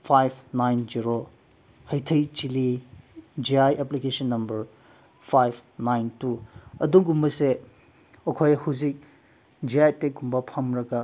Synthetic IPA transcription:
pʰajpʰnajnziɾo | hɐjtʰɐjt͡ʃili | d͡ʒiajʔeplikesonːɐmbɐɾ | pʰajbʰnajntuɐduŋɡumbɐse | ɐkʰojɐhuzik̚ | d͡ʒiajtek̚ɡumbɐpʰɐmɾɐɡɐ

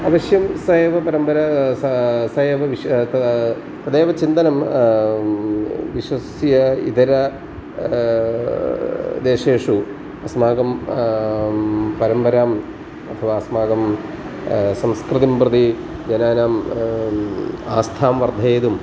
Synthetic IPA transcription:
ɐʋɐɕjɐmseːʋɐpɐɾɐmbɐɾɐ | sɐʋɐʋiɕ | t̪ɐd̪eːʋɐt͡ɕind̪ɐnɐm | ʋiɕwɐsjɐḭd̪ɐɾɐ | d̪eːʂeːʂu | ɐsɐmaːɡɐm | pɐɾɐmbɐɾaːm | ɐt̪ʰːɐʋaːsɐmaːɡɐm | sɐmskrɨðimprɨd̪i | d͡ʑɐnaːnaːm | aːst̪ʰaːmʋɐrd̪ʱɐːðum

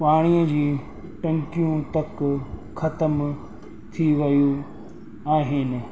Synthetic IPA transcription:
paːɽ̃ijəd͡ʑiː | ʈɐ̃ŋkijũt̪ɐkxɐt̪əm | t̪ʰiʋɐjũ | aːɦɪnɪ̆

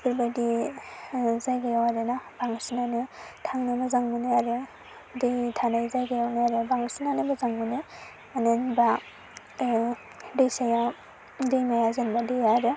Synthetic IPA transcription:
pɯɾbadi | zajɡajawaɾɯnabaŋsinanɯtʰaŋnamazaŋmunɯaɾɯ | dejtʰanajzajɡajawnaaɾɯbaŋsinanɯbazaŋmunɯ | anɯnba | dejsaja | dejmajazɯnbadijaɾɯ

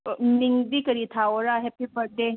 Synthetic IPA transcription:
miŋd̪ikəɾit̪ʰawɔɾaɦepibəɾ̚d̪e

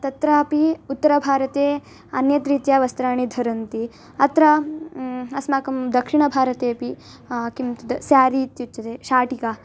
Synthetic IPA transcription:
t̪ɐt̪ɾaːpiut̪ːɐɾɐbʱaːɾɐt̪eː | ɐnjɐt̪ɾiːt̪jaːʋɐst̪ɾaːɳid̪ʱɐɾɐnt̪i | ɐt̪ɾɐ | ɐsmaːkɐmd̪ɐkʂiɳɐbʱaːɾɐt̪eːpi | kimt̪ud̪ɐsjaːɾiːt̪jut͡ʃt͡ʃɐt̪eːʃaːʈika

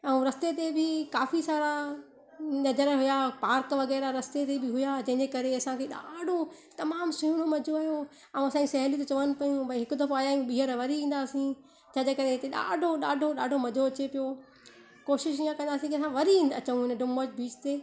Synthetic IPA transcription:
ɛ̃ũɾɐst̪et̪ebʱɪkaːfisaːɾa | nɐd͡ʑəɾɦʊjapaːɾkʋɐɣɛːɾaɾɐst̪et̪ebʱɪɦʊjad͡ʑɐ̃ɦɪ̃ɲd͡ʑekɐɾeɐsãkʰeːɗa̰ːɖʱo | t̪ɐmaːmsʊɦuɽ̃omɐd͡ʑʱoaːɦijõ | ɐũɐsãd͡ʑisɐɦlit̪ot͡ɕɐʋənɪ̆pɐjũbʱɐɦɪkʊd̪ɐfaːjajũɓiːɦəɾʋɐɾiĩːnd̪aːsĩ | d͡ʑãɲd͡ʑekɐɾeɪt̪eɗa̰ːɖʱoɗaːɖʱoɗaːɖʱomɐd͡ʑʱoɐt͡ɕepijo | koːʃɪʃiːãkɐ̃nd̪aːsĩkiɐsãʋɐɾĩɐ̰t͡ɕə̃ũɦɪnɖʊməd͡ʑbiːt͡ʃt̪eː

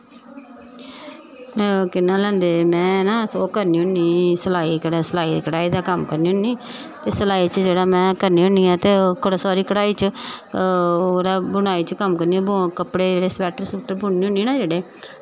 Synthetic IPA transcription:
kɪnːãːlɛ̃ːnd̪eːmɛ̃ːnãːsoːkəɾniːõniːsəlaːiːkəɽasəlaːiːkəɽaːiːd̪aːkəmkəɾniːʊ̃niː | t̪eːsəlaːiːt͡ʃəd͡ʒeːɽaːmɛ̃ːkəɾniːʊ̃niːaːt̪eːkəɽsɔːɾiːkəɽaːiːt͡ʃə | oːɾaːbʊɽ̃aːiːt͡ʃəkəmkəɾniːãːkəpɽeːd͡ʒeːɽeːspɛːʈəɾsuːʈəɾbʊɳniːʊniːnãːd͡ʒeːɽeː

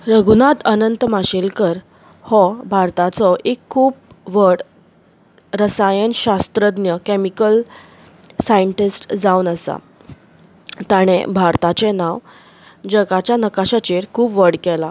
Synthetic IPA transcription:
ɾəɡunat̪ənənt̪maɕelkəɾ | hɔbʱaɾt̪at͡sɔʔekʰːuːp̚ | ʋəɽ | ɾəsajənɕast̪ɾəd̪njəkɛmikəl | sajəɳʈisʈd͡zaunəsa̰ | t̪aɽ̃ḛbʱaɾt̪at͡ɕenaw | d͡ʑəɡat͡ɕjanəkaɕat͡ɕeɾkʰuːpʋəɽkɛla

